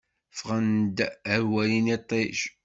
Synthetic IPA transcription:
fʁand̪əɾwælinit̪ˤːeʃ

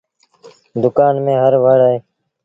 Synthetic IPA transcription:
d̪ʊkaːnmẽːɦəɾʋəɽaːɦeː

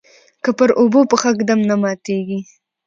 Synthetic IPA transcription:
kəpəɾʔobopəxakd̪amnamɑt̪eɡi

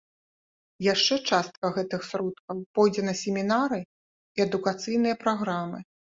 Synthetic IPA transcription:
jaʂt͡ʂɛt͡ʂast̪̚kɐɣɛt̪ɨxsɾɔt̪̚kɐwpɔjd͡zʲɛnɐsʲɛmʲinaɾɨ | iɐd̪ukat̪sɨjnɨjɐpɾaɣɾamɨ

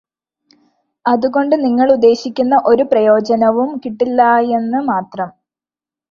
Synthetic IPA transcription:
ɐðuɣo̞ɳɖɨniŋːɐɭud̪ːe̞ːɕikʲːunːɐʔo̞ɾuprɐjo̞ːd͡ʑɐnɐʋumkiʈːilːɐje̞nːɨmaːt̪rɐm

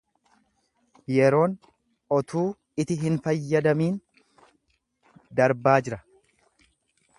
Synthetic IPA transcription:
jɛɾo̞ːn | ɔt̪ʰuː | ɪt̪ɪɦɪnfɐjːɐd̪ɐmiːn | d̪ɐɾbaːd͡ʒɪɾɐ

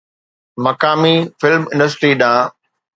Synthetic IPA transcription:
mɐkaːmifɪlmɪ̃ɳɖəsʈɾiːɗãː

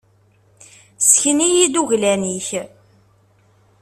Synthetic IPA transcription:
sçənijid̪uʝlæniç

